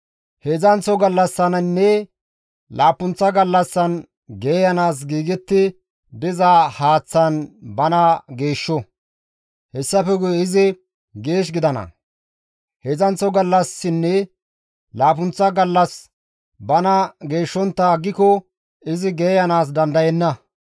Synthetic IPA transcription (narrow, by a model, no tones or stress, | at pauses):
hɛzɐnt͡sɔɡɐlːɐsːɐnɐnːɛ | laːpʊnt͡sːɐɡɐlːɐsːɐn | ɡeːjɐnaːs̬ɡiːɡɛt̪ːɪ | b̪ɪzaːhaːt͡sːɐnbɐnɐɡe̞ːʃːɔ | hɛsːɐpɛɡʊjɪzɪ | ɡe̞ːʃ̬ɡɪd̪ɐnɐ̰ | hɛzɐnt͡sɔɡɐlːɐsːɪnːɛ | laːpʊnt͡sːɐɡɐlːɐs | bɐnɐɡe̞ːʃːɔnt̪ːɐɡːɪkɔ | ɪzɪɡeːjɐnaːs̬d̪ɐnd̪ɐjɛnːɐ